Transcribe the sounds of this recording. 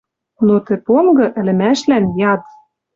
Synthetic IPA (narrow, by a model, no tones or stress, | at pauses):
not̪ɘ̆poŋɡɤ̆ʔɘ̆lɘ̆mæʃlænjɑt̪